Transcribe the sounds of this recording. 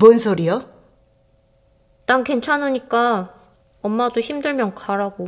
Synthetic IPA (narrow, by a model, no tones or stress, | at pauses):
monsʰoɾijʌ | t͈aŋke̞nt͡ɕʰanoɲik͈a | ʌmːadoçimdɯɭmjʌnkaɾaɡo